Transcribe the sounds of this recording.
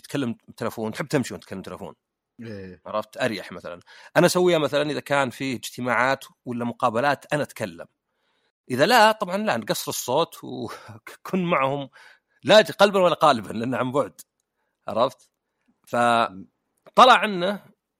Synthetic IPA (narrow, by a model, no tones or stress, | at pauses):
t̪kalːamt̪ʰɪlafoːnt̪ħɪb̚ːt̪ɪmʃiwnt̪̚kalːamt̪alfo̰ːn | eʕɑɾˤɑft̪ʔaɾjaħmaθa̰la̰nʔanaʔsawːijːamaθalanʔɪðakaːnfiːɪd͡ʒt̪ɪmaːʕaːt̪walːamʊqɑːbalaːt̪ʔanaʔt̪kalːa̰m | ʔɪðalat̪ˤɑbʕɑnlanɡɑsːɾɨsˤːoːt̪w | kʰuːnmaʕhʊm | laqɑlbanwalːaqɑːlɪbanlʔanːaʕambʊʕd̪ | ʕɑ̰ɾˤɑft̪ | fa | t̪ˤːɑlɑʕʔanːa